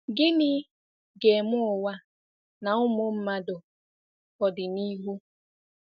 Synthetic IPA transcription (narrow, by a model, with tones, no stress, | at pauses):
ɡɪ˦nɪ˦ | ɡe˨mʊ˦ʊ˨wa˦ | na˨ʊ˦mʊ˦m̩˦ma˦dʊ˨ | ɔ˨dɪ˨ni˦ɦu˦